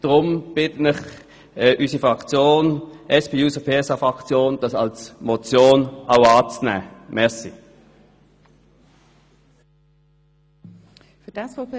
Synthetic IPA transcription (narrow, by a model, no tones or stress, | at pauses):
d̥ʁʊmb̥ɪtən̩ɪχ | ʔysəfʁɑkt͡sjoːnʔɛspʰeːuːsəpʰeːɛsɑfʁɑkt͡sjoːnd̥ɑsɑlsmot͡sjoːnaʊɑːt͡snæ̰ːmɛʁsi | fyd̥ɑsɔ